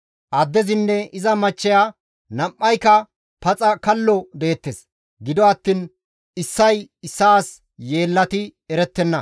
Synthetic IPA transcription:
ʔɐd̪ːɛzɪnːɛɪzɐmɐt͡ʃːɛja | nɐmːɐjkɐ | pɐt͡sʼɐkɐlːɔd̪e̞ːt̪ːes | ɡɪd̪ɔɐt̪ːiːn | ɪsːɐjɪsːaːs | je̞ːlːɐt̪ɪɛɾɛt̪ːɛnːɐ

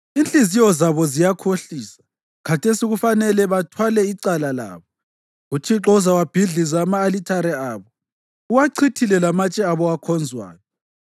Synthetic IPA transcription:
int͡ɬʼizijɔzaβɔzijakʰoɬiːsḁ | kʰatʰesiɣufanɛlɛβatʰwalɛiǀalala̰ːβɔ | ɣutʰiǁɔuzawab̥ʱiɮizaːmaːlitʰaɾɛaːβɔ | uβaǀʰitʰilɛlamat͡ʃʼɛaβɔɣakʰɔnd͡zʱwa̰ːnɔ

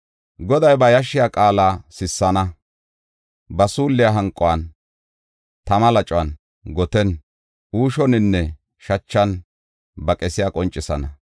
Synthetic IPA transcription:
ɡɔd̪ɐjbɐjɐʃːɪjakʼaːlaːsɪsːɐnɐ | bɐsuːlːɪjaɦɐŋkʼːɔwɐn | t̪ɐmɐlɐt͡ʃʼʊwɐn | ɡɔt̪ɛn | uːʃɔnɪnːɛ | ʃɐt͡ʃːɐn | bɐkʼɛsɪjakʼɔnt͡ʃʼːɪsɐnɐ

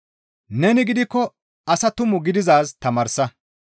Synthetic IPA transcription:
nɛnɪɡɪd̪ɪkːɔ | ɐsɐt̪ʊmʊɡɪd̪ɪzaːst̪ɐmaːɾsɐ

